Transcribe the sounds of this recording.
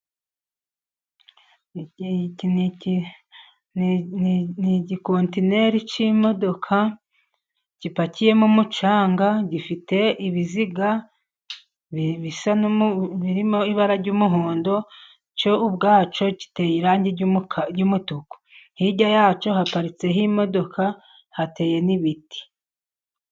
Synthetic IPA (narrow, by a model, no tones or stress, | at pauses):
n | nniɟiko̞ntine̞ɾit͡ʃimo̞do̞kʰa | ɟipacije̞mumut͡ʃaːŋɡaɟifite̞ʔiβiziɡa | ββisanβiɾimo̞iβaɾaɾɟuːmuɦoːndo̞ | t͡ʃo̞ubɡaːt͡ʃo̞ɟi̥tejiɾaːɲɟiɟumutuku̥ | hiɟajaːt͡ʃo̞hapaɾit͡se̞ɦimo̞do̞kʰa | hate̞ːje̞niβiti̥